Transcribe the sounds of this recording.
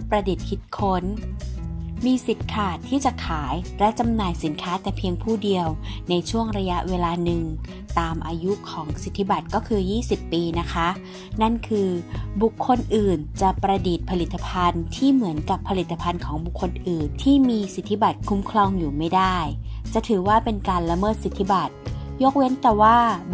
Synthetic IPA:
pɾa˧di˨˩t̪̚kʰi˨˩t̪̚kʰo˦˥n | miː˧si˨˩t̪̚kʰaː˨˩t̪ʰːiː˥˩t͡ɕa˨˩kʰaː˩˦jlɛ˦˥t͡ɕa˧mnaː˨˩jsi˩˦nkʰaː˦˥t̪ɛː˨˩pʰi˧əŋpʰuː˥˩di˧əwna˧jt͡ɕʰu˥˩əŋɾa˧ja˦˥ʔweː˧laː˧nɯ˨˩ŋ | t̪aː˨˧mʔaː˧ju˦˥kʰɔː˩˦ŋsi˨˩t̪ʰːi˦˥ba˨˩t̪̚kɔː˥˩kʰɯː˧jiː˥˩si˨˩pːiː˧na˦˥kʰa˦˥ | na˥˩nkʰɯː˧bu˨˩kʰːo˧nʔɯː˨˩nt͡ɕa˨˩pɾa˧diː˨˩t̪̚pʰa˧li˨˩t̪ːa˧pʰa˧nt̪ʰiː˥˩mɯ˩˦ənka˨˩pʰːa˧li˨˩t̪ːa˧pʰa˧nkʰɔː˩˦ŋbu˨˩kʰːo˧nʔɯː˨˩nt̪ʰiː˥˩miː˧si˨˩t̪ʰːi˦˥ba˨˩t̪̚kʰu˦˥mkʰlɔ˧ŋjuː˨˩ma˥˩jdaː˥˩jt͡ɕa˨˩t̪ʰɯː˩˦waː˥˩pe˧nkaː˧nla˧mɤː˥˩t̪̚si˨˩t̪ʰːi˦˥ba˨˩t̪̚jo˦˥k̚we˦˥nt̪ɛː˨˩waː˥˩

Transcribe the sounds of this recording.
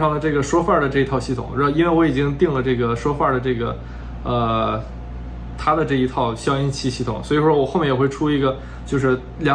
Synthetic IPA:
ʂɑ˥˩ŋd̪ə˩ʈ͡ʂɤ˥˩ɡə˩ʂwɔ˥fa˥˩d̪ə˩ʈ͡ʂɤ˥˩˧i˧˥t̪ʰɑ˥˧ʊɕi˥˩t̪ʰʊ̰˨˩˦ŋɻa˧˥˧i˥nwe˥˩ɪwɔ˧˥i˨˩t͡ɕi˥ŋt̪i˥˩ŋlə˩ʈ͡ʂɤ˥˩ɡə˩ʂwɔ˥fa˥˩d̪ə˩ʈ͡ʂɤ˥˩ɡə̰˩ | ə˧ | t̪ʰa˥d̪ə˨ʈ͡ʂɤ˥˩i˧˥t̪ʰɑ˥˩ʊɕjɑ˥ʊi˥nt͡ɕʰi˥˧ɕi˥˩t̪ʰʊ̰˨˩˦ŋswɔ˧˥i˨˩ʂwɔ˥wɔ˨˩xo˥˩ʊmɛ˥˩jɛ˨˩xwe˥˩ɪʈ͡ʂʰu˥i˧˥ɡə˧ | t͡ɕjo˥˧ʊʂ̬ɻ̩˥˩ | ljɑ˨˩˥

